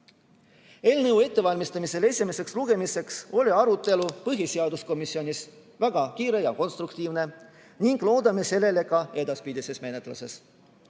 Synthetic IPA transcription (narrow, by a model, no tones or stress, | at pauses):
e̞lnɤwe̞t̪ːe̞vɑlʲmist̪ɑmise̞le̞sʲimese̞ksluɡ̥e̞mise̞kso̞lʲiɑɾut̪ˑːe̞lupɤɦiseɑd̪usko̞misːio̞nʲis | væɡ̥ɑkiːɾe̞jɑko̞nst̪ɾukt̪iːvne̞ | niŋɡ̥lo̞ːd̪ɑme̞se̞lːe̞le̞kɑe̞d̪̥ɑspid̪ʲise̞sme̞net̪lɑ̰se̞s